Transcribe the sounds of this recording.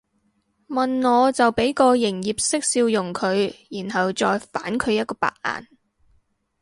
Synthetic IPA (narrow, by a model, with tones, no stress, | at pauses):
mɐ˨˩nŋɔː˨˧t͡sɐ˨wpe˨˥jkɔː˧jɪ˨˩ŋjiː˨˩p̚sɪ˥k̚siː˧wjʊ˨˩ŋkʰɵ˨˧ɥjiː˨˩nhɐ˨wt͡sɔː˧jfaː˨˥nkʰɵ˨˧ɥjɐ˥t̚kɔː˧pa̰ː˨k̚ʔa̰ː˨n